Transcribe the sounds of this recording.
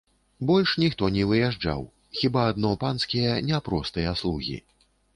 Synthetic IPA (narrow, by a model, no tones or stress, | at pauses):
bɔlʲʂnʲixt̪ɔnʲɛvɨjɛʐd͡ʐa̰w | xʲibaːd̪nɔpanskʲijɐnʲɛpɾɔst̪ɨjɐaslˠuɣʲḭ